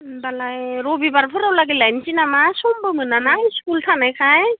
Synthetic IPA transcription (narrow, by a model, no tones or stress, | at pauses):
balajɾɔbibaɾpʰɯɾawlaɡilajnsinamasɔmbɯmɯnanajskultʰanajkʰaj